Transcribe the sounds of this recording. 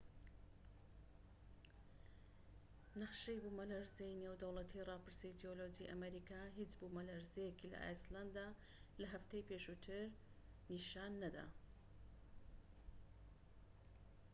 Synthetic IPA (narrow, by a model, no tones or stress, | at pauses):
nɐqʃejbumɐlaɾzejnewd̪ɐwlˠɐt̪ʰirɑːpɨɾsijd̪iolod͡ʒiʔɐ̰mɐɾiːkaːɦit͡ʃbumɐlɐɾzejekilɐ̰ʔa̰jsland̪a | lɐɦɐft̪ejpeʃut̪ʰɨɾ | niʃaːnːɐd̪a̰